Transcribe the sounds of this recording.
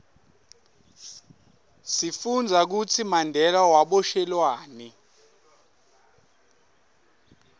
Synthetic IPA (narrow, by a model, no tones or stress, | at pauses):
sifund͡zʱak̬ut͡sʰimandʱɛlawaɓɔʃɛlwaːnɛ